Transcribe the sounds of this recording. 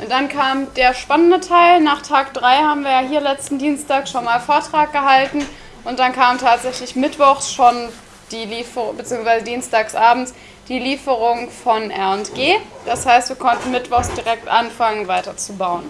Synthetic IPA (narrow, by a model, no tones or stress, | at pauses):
ʔʊntd̥ankʰaːmd̥eːɐʃpanəndətʰaɪlnaːχtʰaːkd̥ʁaɪhaːbm̩viːɐjaːɦiːɐlɛt͡stn̩diːnstaːkʃonmaːlfoːɐtʁ̥aːk̚ɡ̥əhaltn̩ | ʔʊntd̥ankʰaːmtʰaːtz̥ɛçlɪçmɪtv̥ɔχsʃon | d̥iːliːfəbət͡siːʊŋsv̥aɪzədiːnstaːksʔaːbm̩t͡s | d̥iːliːfəʁʊŋfɔnʔɛɐntɡ̥eːd̥ashaɪstv̥iːɐkʰɔntn̩mɪtv̥ɔχsd̥iʁɛk̚tʔanfaŋənvaɪtɐt͡subaʊən